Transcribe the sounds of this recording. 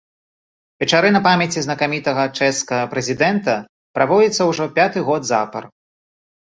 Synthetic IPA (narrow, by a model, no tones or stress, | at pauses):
vʲɛt͡ʂaɾɨnɐpamʲjɐt͡sʲiznɐkamʲit̪ɐɣɐt͡ʂɛskɐɣɐpɾɛzʲid̪ɛnt̪ɐ | pɾavɔd͡zʲit̪sːɐwʐɔpʲat̪ɨɣɔd̪zapɐr